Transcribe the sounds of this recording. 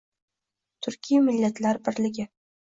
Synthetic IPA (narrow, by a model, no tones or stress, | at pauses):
t̪ʰʊɾkʲʰijamɪlːat̪laɾbɪɾlɪɡʲɪ